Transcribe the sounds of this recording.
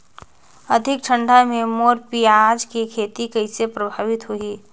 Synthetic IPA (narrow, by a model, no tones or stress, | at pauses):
əd̪ʱɪkʈʰə̃ɳɖʱamẽmoːɾpiaːd͡ʒkikʰeːt̪ikɐɪsepɾəbʱaːʋɪt̪ɦʊiː